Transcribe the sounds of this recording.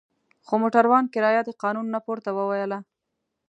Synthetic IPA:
xomoʈaɾwɑnkɪɾɑjad̪əqɑnunːapoɾt̪awəwajəla

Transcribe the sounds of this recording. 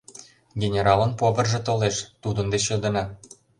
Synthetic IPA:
ɡʲenʲeɾɑlə̆npovə̆rʒĕt̪oleʃt̪ud̪ə̆nd̪et͡ɕɤ̆d̪ɤ̆nɑ

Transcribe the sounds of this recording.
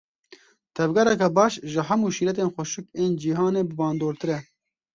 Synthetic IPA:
t̪ʰɛvɡɛɾɛkɛbɑːʃʒɨɦɛmuːʃiːɾɛt̪eːnxʷɔʃɨkeːnd͡ʒiːɦɑːneːbɨbɑːnd̪oːɾt̪ɨɾɛ

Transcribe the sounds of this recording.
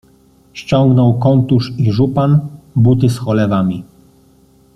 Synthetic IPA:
ɕt͡ɕɔŋɡnɔwkɔnt̪uʂiʐupanbut̪ɘsxɔlɛvamʲi

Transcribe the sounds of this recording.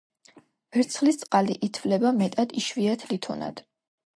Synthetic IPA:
b̥ɛɾt̪sʰχlist̪sʼqʼaliʔit̪ʰvlɛbamɛt̪ʼad̪iʃviat̪ʰlit̪ʰɔna̰d̪̥

